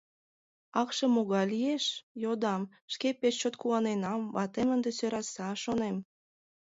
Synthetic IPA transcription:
ɑkʃɤ̆moɣɑjlieʃjod̪ɑm | ʃkepeʃt͡ɕot̪kuɑnenɑmβɑt̪emənd̪esøɾɑsɑʃonem

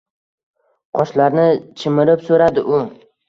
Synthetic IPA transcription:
qʰɒʃlaɾnɪt͡ʃʰɪmɪɾɪpsoɾad̪ɪʔʊ

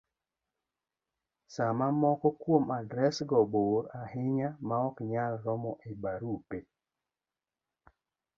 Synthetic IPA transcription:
samamɔkɔkwomadɾɛsɡɔboɾahɪɲamaɔkɲalːɔmɔʔebaɾupe

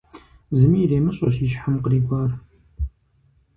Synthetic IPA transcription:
zɨmiɾeːmɨɕʼoɕiʃħamqəɾiːɡʷɑːr

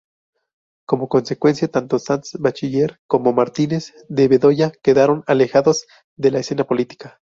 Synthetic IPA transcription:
ko̞mo̞ko̞nse̞kwe̞nsjat̪ant̪o̞sansbat͡ʃiʝe̞ɾko̞mo̞maɾt̪ine̞z | d̪eβe̞ðo̞ʝake̞ðaɾo̞nale̞xaðo̞z̥ | ðe̞laese̞napo̞lit̪i̥kḁ

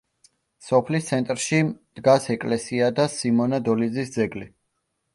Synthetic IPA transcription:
sɔpʰlist̪sʰɛnt̪ʼɾʃid̪̥ɡasɛkʼlɛsiad̪asimɔnad̪ɔlid̪zisd̪zɛɡli

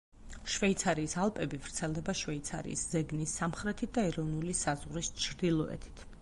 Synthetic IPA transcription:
ʃvɛit̪sʰaɾiːsalˠpʼɛbivɾt̪sʰɛlˠd̪ɛbaʃvɛit̪sʰa̰ɾḭːszɛɡnisːamχɾɛt̪ʰit̪̚ʰd̪aɛɾɔvnulisazʁɾist͡ʃʰɾd̪ilˠɔɛ̰t̪ʰi̥t̪ʰ

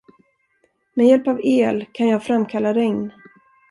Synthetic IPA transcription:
mɛjɛlpaveːlkʰanjɑːɡfɾamːkʰalːaɾɛŋn

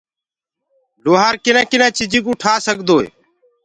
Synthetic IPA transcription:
loːɦaːɾkɪnãːkɪnãːt͡ʃid͡ʒĩːkʊʈʰaːsəɡd̪oːḛː

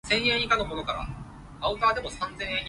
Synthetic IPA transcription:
sẽ̞ɰ̃ẽikanomonokaɾa̰ | aɯ̟t̪aːd̪e̞mo̞sãnzẽ̞ɰ̃ẽ

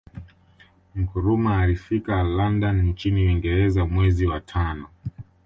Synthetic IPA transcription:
m̩kuɾumaːlifikalandannt͡ʃiniwiŋɡɛɾɛzamwɛziwatʰanɔ

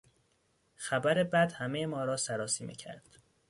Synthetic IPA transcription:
xæbæɾebæd̪hæmejemɒːɾɒːsæɾɒːsiːmḭːcʰæ̰ɾd̪̥

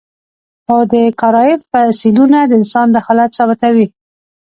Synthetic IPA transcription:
xawd̪əkaɾɑjɪfpəsilunad̪əɪnsɑnd̪əxalat̪sɑbɪt̪awi

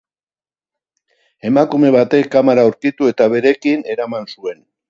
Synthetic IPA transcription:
e̞makume̞βat̪e̞kːamaɾauɾkit̪ue̞t̪aβe̞ɾe̞kine̞ɾamansue̞n

